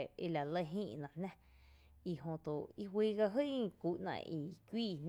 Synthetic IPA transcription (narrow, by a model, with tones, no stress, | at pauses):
e˧la˨lə˦˧ɦĩː˦˧ʔnã˧˨hnã˦ | i˧˨ɦõ˧t̪o˨i˦ɦwiː˦ɡa˧ɦɨ˦˧ku˨ʔnã̰˧˨i˧kʷiː˦˨n